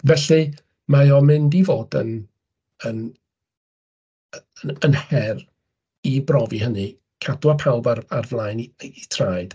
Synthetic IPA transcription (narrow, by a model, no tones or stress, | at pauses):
vɛɬi | majɔmɪndivoːdə̰n | ən | ə | ənhɛr | ibrɔvihənɨ | kʰad̥wapʰalˠvararvlˠaːjniːtʰraːjd̥